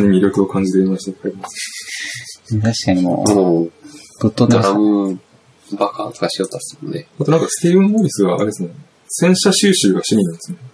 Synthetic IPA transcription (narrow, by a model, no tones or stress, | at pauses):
niɲʲːiɾʲo̞kɯ̟o̞kãɲ̟d͡ʑit̪eimaɕi̥t̪akʰaeɾʲimasɨ̥ | t̪aɕi̥kaɲ̟imo̰ːo | ɡ̥ɯ̟t̪ːod̪ɾaɡɯ̟ | bakʰa̰ːt̪okaɕijo̞t̪ːḁt̪oɯt̪o̰d̪eat̪o̞nãŋkasɨ̥t̪ebɯ̃mboːɾʲisɨɡa̰ːɾed̪esɨne | sẽ̞ɰ̃ɕaɕɨːɕɨːɡaɕiɲ̟ʲinãnd̪esɨne